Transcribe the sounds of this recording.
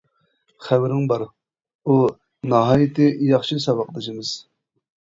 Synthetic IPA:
χæwɾɪŋbɑɾ | u | nɑɦɑːjit̪ɪjɑχʃʰisɑwɑqd̪ɨʃʰimɨz̥

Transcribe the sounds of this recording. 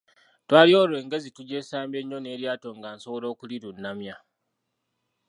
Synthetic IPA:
twaːlio̞ːlwe̞ːŋɡe̞zituɟe̞ːsaːmbe̞ɲːo̞ne̞ːɾjaːto̞ŋɡaːnso̞woɾo̞ːkuliɾunːamja

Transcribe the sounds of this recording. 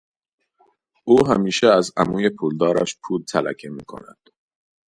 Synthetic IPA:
ʔuːɦæ̰miːʃeɛæzæ̰muːje̞pʰuld̪ɒːɾæ̰ʃpʰuːlt̪ʰælæ̰cʰemiːkʰo̞̰næ̰d̪̥

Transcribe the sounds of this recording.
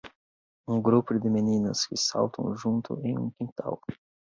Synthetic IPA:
ũɡɾupʊd̪ɪmenĩnɐ̰skɪsa̰wt̪ʰɐ̰̃w̃ʒũnt̪ʊ̰ẽj̃ũkĩnt̪a̰w

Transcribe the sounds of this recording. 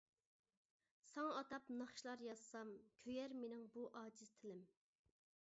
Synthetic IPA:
sɑŋɑt̪ɑpnɑχʃilˠɑɾjɑssɑmkʲʰøjæɾmenɪŋbuʔɑːd͡ʒiz̥t̪ʰɪlɪm

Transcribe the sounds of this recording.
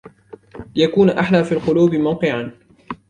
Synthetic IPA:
jakuːnʔaħlaːfiːlqʊluːbɪmawqɨʕan

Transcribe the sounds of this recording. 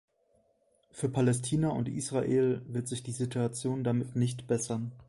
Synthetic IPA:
fyːɐpʰalɛstʰiːnɐʊ̰ntʔḭːsʁ̥aʔeːlvɪɐtz̥ɪçd̥iːzituat͡sjoːndamɪtnɪçtb̥ɛsɐn

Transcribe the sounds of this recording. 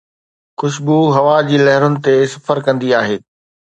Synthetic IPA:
xʊʃbuɦɐʋad͡ʑiːlɐɦɪɾʊnɪ̆t̪esɐfəɾkɐ̃nd̪iaːɦeː

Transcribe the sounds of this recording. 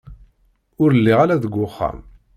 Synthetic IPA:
ʊɾəlːiʁalæðəɡʷːʊχːæ̰m

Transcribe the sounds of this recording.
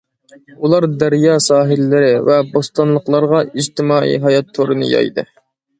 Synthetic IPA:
ulˠɑɾd̪æɾjɑsɑːɦɪlːɪɾɪvɛbost̪ɑnlˠəqlˠɑɾʁɑid͡ʒt̪ɪmɑːḭɦɑjɑt̪ʰːoɾɨnɨ̰jɑ̰jd̪ɨ̰

